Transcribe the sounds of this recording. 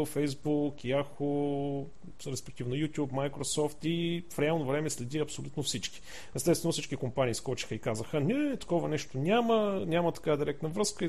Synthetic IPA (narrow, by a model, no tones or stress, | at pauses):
fɛjzbukjaxo | ɾɛspɛk̚t̪ivnojut̪ʲjupmajkɾosɔft̪ifɾɛalˠnovɾɛmɛslɛd̪iɐpsolʲut̪nofsit͡ʃki̥ | ɛst̪ɛst̪vɛnʊfsit͡ʃkikompaniːskɔt͡ʃi̥xəikazəxənɛt̪ɐ̥kɔvənɛʃt̪onʲamənʲamət̪ɐ̥kavəd̪iɾɛkt̪nəvɾɤskəi